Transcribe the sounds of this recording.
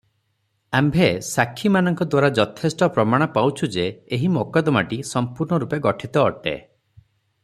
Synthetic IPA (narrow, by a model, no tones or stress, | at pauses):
ambʱesakʰːimanɔŋkɔd̪waɾad͡ʒɔt̪ʰesʈɔpɾɔmaɽ̃ɔpawt͡ʃʰud͡ʒeːɦimokɔd̪ɔmaʈisɔmpuɾɳɔɾupeɡɔʈʰit̪ɔːʈḛ